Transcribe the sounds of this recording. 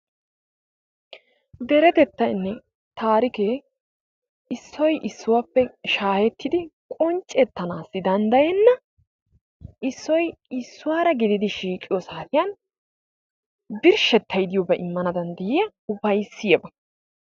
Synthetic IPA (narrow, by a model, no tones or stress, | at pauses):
d̪ɛɾɛt̪ɛt̪ːɐɪnːɛ | t̪aːɾɪkeː | ɪsːɔjʔɪsːʊwaːpːɛʃaːhɛt̪ːɪd̪ɪkʼɔnt͡ʃʼːɛt̪ːɐnaːsːɪd̪ɐnd̪ɐjɛnːɐ | ʔɪsːɔjɪsːʊwaːɾɐɡɪd̪ɪd̪ɪʃiːkʼɪjɔsaːt̪ɪjɐn | bɪɾʃɛt̪ːɐjd̪ɪjobɛʔɪmːɐnɐd̪ɐnd̪ɛjɪjɐ | ʊbɐjsːɪjɛbɐ